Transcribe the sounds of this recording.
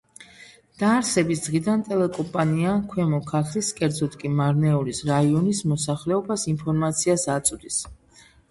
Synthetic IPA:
d̪̥aːɾsɛbisd̪̥ʁid̪ant̪ʼɛlɛkʼɔmpʼaniakʰwɛmɔkʰat̪ʰliskʼɛɾd̪zɔt̪ʼkʼimaɾnɛɔlisɾaiɔnismɔsaχlɛɔbasimpʰɔɾmat̪sʰiasat̪sʼd̪is

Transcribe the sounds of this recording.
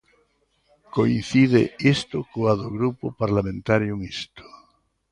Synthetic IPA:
koinθiðḛest̪okoaðoɣɾupʊpaɾlamẽnt̪aɾjoŋist̪o̥

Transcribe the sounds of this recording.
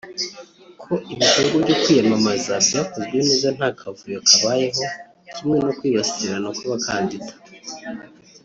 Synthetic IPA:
kʰo̞ʔiβitoɾibɟokwiːjamamazabiβakozɡwenizzanhaːkʰavujokaβaːje̞ɦo̞ | cimŋe̞no̞kwiːβasi̥siɾanakoβakʰaːnditḁ

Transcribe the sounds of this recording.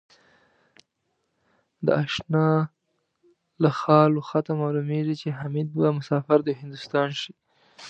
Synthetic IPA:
d̪əaʃnɑ | laxɑloxat̪amɑlumeʐit͡ʃeɦamid̪̚bamʊsɑfaɾd̪əɦɪnd̪ʊst̪ɑnʃi

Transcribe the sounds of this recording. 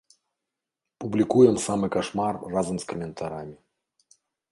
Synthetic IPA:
publʲikujɛmsamɨkaʂmarːazɐmskɐmʲɛnt̪ʰaɾamʲɪ

